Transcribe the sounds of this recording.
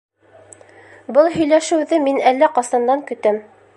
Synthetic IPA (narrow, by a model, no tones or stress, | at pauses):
bɤlˠɦɵ̆jlæʃɘ̆wðɘminælːæqɑsɑ̆nd̪ɑŋkɵ̆t̪ɘm